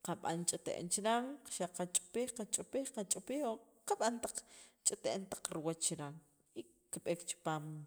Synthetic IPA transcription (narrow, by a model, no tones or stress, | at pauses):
qaɓa̰nt͡ʃʼit̪ḛʔḛnt͡ʃiɾaŋʃaqat͡ʃʼpiːχqat͡ʃʼpiːχqat͡ʃʼpiːχwo | qaɓant̪aq͡χt͡ʃʼit̪eʔent̪ḁq͡χɾiwat͡ʃt͡ʃiɾaŋ | i | kiɓeːkt͡ʃi̥paːm